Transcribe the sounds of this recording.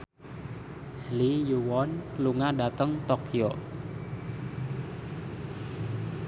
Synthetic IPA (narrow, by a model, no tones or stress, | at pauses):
hlijuwɔnluŋaɖat̪əŋt̪okʰio